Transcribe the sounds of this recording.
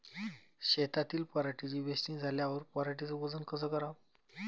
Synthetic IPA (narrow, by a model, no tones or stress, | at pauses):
ɕet̪at̪iːlpəɾaʈit͡ɕiːʋesʈĩːd͡zʱaljaʋəɾpɔɾaʈit͡səʋəd͡zənkəsəːkəɾa